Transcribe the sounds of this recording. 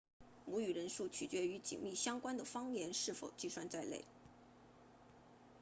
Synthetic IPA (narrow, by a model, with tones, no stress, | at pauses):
mu˧˥y˨˩ɻə˧˥nʂu˥˩t͡ɕʰy̰˨˩t͡ɕɥɛ˧˥y˧˥t͡ɕḭ˨˩ŋmi˥˩ɕjɑ˥ŋkwa˥nd̪ə˨˩fɑ˥ŋjɛ˧˥nʂɻ̩˥˩fo˨˩ʊt͡ɕi˥˧swa˥˧nt͡sa˥˧ɪlḛ˥˩ɪ